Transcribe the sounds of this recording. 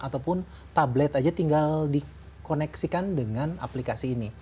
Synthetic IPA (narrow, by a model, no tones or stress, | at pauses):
ʔat̪awpʊn | t̪ablɛt̪ad͡ʒat̪iŋɡaldi | konɛksikandəŋana̰plikasiːni